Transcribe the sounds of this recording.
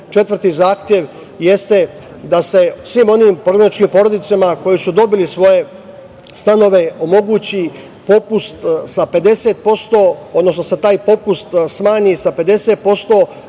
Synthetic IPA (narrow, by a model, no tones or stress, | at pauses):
t͡ʃe̞t̪ʋərt̪izaːxt̪je̞ʋ | je̞st̪e̞ | d̪ase̞sʋiːmo̞niːmpɾo̞ɡɾanit͡ʃkimpo̞ɾo̞d̪it̪samako̞jisud̪o̞bilisʋo̞je̞ | st̪ano̞ʋe̞o̞mo̞ɡuːt͡ɕi | po̞pust̪sape̞d̪e̞seːt̪̚po̞st̪oːod̪no̞snoset̪aːjpo̞pust̪smaːɲisape̞d̪e̞set̪̚po̞st̪o̞ː